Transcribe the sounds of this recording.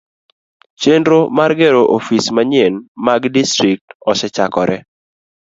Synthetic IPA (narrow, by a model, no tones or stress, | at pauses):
t͡ʃendɾomarɡeɾoʔofismaɲjenmaɡdistɾik̚tɔsɛt͡ʃakɔɾʔɛ̰